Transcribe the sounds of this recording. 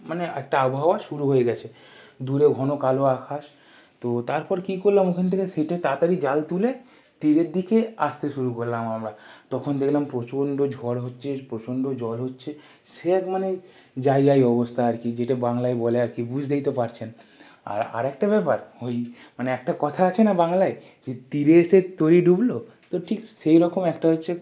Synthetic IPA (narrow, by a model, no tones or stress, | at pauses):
maneɛk̚ʈaabɦaaʃuɾuɦoeɡɛt͡ɕʰe | d̪uɾeɡʱɔnokaloakʰaʃ | t̪ot̪aɾpɔɾkikoɾlamokʰant̪ʰekesiʈet̪at̪aɾid͡ʑalt̪ule | t̪iɾeɾd̪ikeast̪eʃuɾukoɾlamamɾat̪ɔkʰond̪ekʰlampɾot͡ɕoɳɖod͡ʑʱɔɾɦotːɕʰepɾot͡ɕoɳɖod͡ʑɔlɦotːɕʰe | ʃeɛkmane | d͡ʑajɡajɔbost̪ʰaaɾkid͡ʑeʈabaŋlajbɔleaɾkibud͡ʑʱd̪ejt̪epaɾt͡ɕʰen | a̰ɾa̰ɾɛk̚ʈabɛpaɾhojmaneɛk̚ʈakɔt̪ʰaat͡ɕʰenabaŋlaj | d͡ʑet̪iɾeeʃet̪oɾiɖublo | t̪oʈʰikʃejɾɔkomɛkʈaɦotːɕʰe